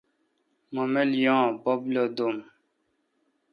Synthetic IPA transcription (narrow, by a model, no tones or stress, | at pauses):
mɔmɛljɔ̃bɔblɔd̪om